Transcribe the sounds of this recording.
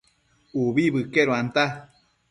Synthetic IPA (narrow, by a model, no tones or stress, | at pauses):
uβiβɨkeɾoant̪a